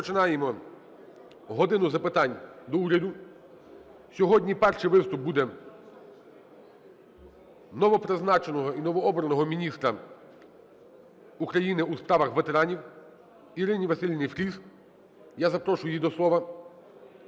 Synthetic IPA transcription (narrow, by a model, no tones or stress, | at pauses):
pɔt͡ʃɪnɑjemɔ | ɦɔd̪ɪnʊzɐpɪt̪ɑnʲd̪ɔuɾʲɐd̪ʊ | sʲɔɦɔdʲnʲipɛrʃɪjʋɪst̪ʊp̚bud̪ɛ | nɔʋɔpɾeznɑt͡ʃenɔɦɔinɔʋɔɔbɾɐnɔɦɔmʲinʲist̪ɾɐ | ukɾɐjinɪuspɾɑʋɐxʋet̪eɾɑnʲiw | iɾɪnʲiʋɐsʲɪlʲnɪjfɾʲis | jazɐpɾɔʃʊjʊjid̪ɔslˠɔʋɐ